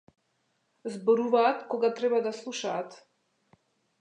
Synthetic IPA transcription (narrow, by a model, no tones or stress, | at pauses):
zbɔɾuvaːt̪kɔɡat̪ɾɛbad̪aslˠuʃaːt̪